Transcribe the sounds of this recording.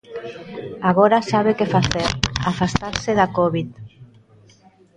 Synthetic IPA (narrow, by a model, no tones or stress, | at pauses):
aɣoɾasaβ̞ekefaθeɾafast̪aɾseðakoβit̪